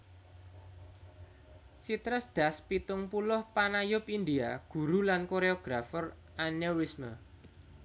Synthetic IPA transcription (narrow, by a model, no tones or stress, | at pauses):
t͡ʃit̪ɾəsd̪̥a̤spit̪ʊŋpulʊhpanajʊpind̪iaɡ̥ṳɾulankoɾeɔɡ̥ɾafʊr | anewismə